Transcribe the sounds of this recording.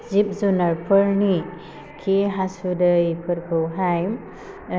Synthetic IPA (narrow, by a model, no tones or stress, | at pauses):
zip̚zunaɾpʰɯɾni | kʰiɦasudɯjpʰɯɾkʰɯwɦajm